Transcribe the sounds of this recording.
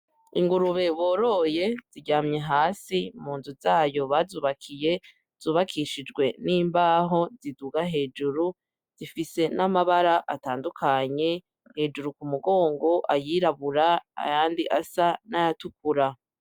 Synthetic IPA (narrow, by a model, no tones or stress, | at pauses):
iŋɡuɾuβe̞βo̞ːɾo̞je̞z̥iɟaːmɲe̞ɦaːsimuːnzuzaːjo̞βazuːβakʰije̞ | z̥uːβakʰiʃid͡ʒɡwe̞niːmbaːɦo̞ziduɡaɦe̞ːd͡ʒuɾu | z̥ifise̞namaβaɾaʔataːndukʰaɲe̞ | he̞ːd͡ʒuɾukumuɡo̞ːŋɡo̞ʔajiːɾaβuɾaa̰jaːndiʔasanajatuk̚uɾa